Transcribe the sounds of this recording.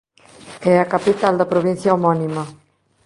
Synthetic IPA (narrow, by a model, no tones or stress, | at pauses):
ɛakapit̪ald̪apɾoβinθjaumɔnima